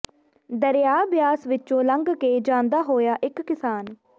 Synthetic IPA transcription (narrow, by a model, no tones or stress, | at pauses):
d̪əɾjaːbɪjaːsʋɪt͡ʃõːləŋɡkeːd͡ʒãːnd̪aːɦoːjaːʔɪkːɪsaːn